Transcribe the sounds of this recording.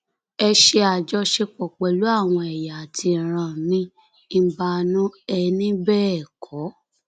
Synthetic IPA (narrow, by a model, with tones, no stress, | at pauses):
ɛ˧ʃe˧a˨d͡ʒɔ˧ʃe˧k͡pɔ˨k͡pɛ˨lu˨˦a˦˨w̃ɔ̃˧ɛ˨ja˨tʰi˧˨ɾ̃ã˦˨nĩ˦ | ba˧nũ˦ɛ˧nĩ˦bɛː˦ɛ˦˨kʰɔ˨˦